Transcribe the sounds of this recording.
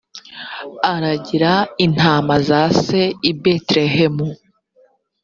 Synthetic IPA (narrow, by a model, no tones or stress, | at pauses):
aɾaɟiɾain̥aːmazaːse̞ibetɾehemu